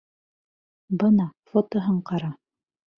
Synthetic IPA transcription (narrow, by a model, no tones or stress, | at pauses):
bɤnɑfot̪oɦɤɴqɑɾɑ